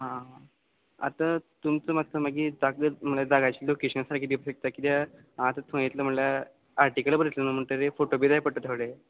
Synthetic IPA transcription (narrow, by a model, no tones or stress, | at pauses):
ɦã | a̰t̪at̪umt͡səmat̪ʰəmaɡid͡zaɡəm̤əɳlad͡zaɡat͡ɕiːlokeɕənsaɾakʰid̪ipəɕək̚t̪akit̪ja | ãt̪ət̪ʰõjet̪ləm̤əɳla | aɾʈikəlbəɾət̪lənəm̤əɳʈ̪əɾefoʈobed̪ajpəʈət̪ʰəʋɭe